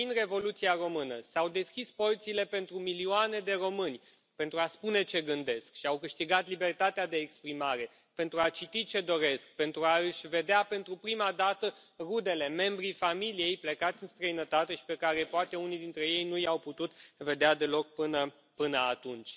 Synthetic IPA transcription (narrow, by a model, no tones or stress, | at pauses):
inre̞vo̞lut̪siaro̞mɨnəsawd̪e̞skʲisport̪sile̞pe̞nt̪ɾumilioane̞d̪e̞ro̞mɨnʲ | pe̞nt̪ɾuaspune̞t͡ʃe̞ɡɨnd̪e̞skʃiawkɨʃt̪iɡat̪libe̞rt̪at̪ead̪e̞ːkspɾimaɾe̞ | pe̞nt̪ɾuat͡ʃit̪it͡ʃe̞d̪o̞ɾe̞sk̚pe̞nt̪ɾuaɨʃʲve̞d̪eape̞nt̪ɾupɾimad̪at̪ə | rud̪e̞le̞me̞mbɾifamilije̞jplekat̪sʲɨnst̪ɾəinət̪at̪e̞ʃi̥pe̞kaɾe̞poat̪e̞unijd̪int̪ɾe̞je̞jnujawput̪ut̪ve̞d̪ead̪e̞lo̞k̚pɨnə | pɨnəat̪unt͡ʃʲ